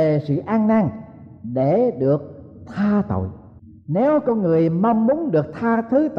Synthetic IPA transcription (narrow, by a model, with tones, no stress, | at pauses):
e˨˩sɨ̰˧˨ʔaː˧ŋnaː˧ŋ | ɗe˧˩ɗɨ˨˩ək̚ | t̪ʰaː˧t̪o̰˧˨j | ne˨˦wkɔ˧nŋɨ˨˩əjma˧wŋ͡mːu˨˦ənɗɨ˨˩ək̚t̪ʰaː˧t̪ʰɨ˨˦t̪